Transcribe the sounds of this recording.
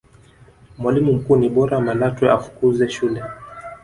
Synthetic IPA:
mwalimum̩kuːniɓɔɾamalatwɛafu̥kuzɛʃulɛ

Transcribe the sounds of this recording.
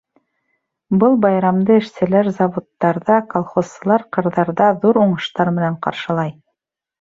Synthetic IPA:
bɤlˠbɑjɾɑmd̪ɤɘ̆ʃt̪ɘ̆læɾzɑvot̪ːɑɾðɑkolˠχosɤ̆lˠɑɾqɤ̆ɾðɑɾðɑðuɾuɴɤ̆ʃt̪ɑɾmɘ̆næɴqɑ̰ɾʃɤ̆lˠɑj

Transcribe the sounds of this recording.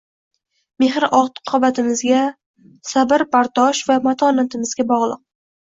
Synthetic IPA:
me̞ɦɾʔɒʁt̪ɨ̥qʰːɒbat̪ʰɪmɪzɡʲa | sabɪɾpʰaɾt̪ɒʃvamat̪ʰɒnat̪ʰɪmɪzɡʲabɒʁlˠɨq̚

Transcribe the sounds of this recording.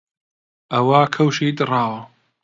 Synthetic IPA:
ʔɐwaːkʰɐwʃiːd̪ɨrɑːwɐ

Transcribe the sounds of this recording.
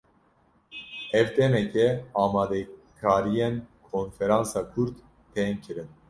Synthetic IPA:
ɛvt̪ʰɛmɛkʰɛɑːmɑːd̪ɛkʰɑːɾijenkʰonfɛɾɑ̃ːnsɑːkʰuɾd̪ | t̪ʰenkʰɨɾɨn

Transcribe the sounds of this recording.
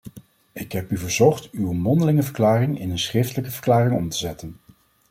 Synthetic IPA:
ɪkɦɛpyvəɹzɔχtywəmɔndəlɪŋəvəɹklaːrɪŋɪ̰nənsχrɪftələkəvəɹklaːrɪŋɔmtəzɛtən

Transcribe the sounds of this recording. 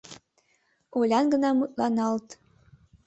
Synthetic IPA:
olʲɑnɡə̆nɑmut̪̚lɑnɑlt̪

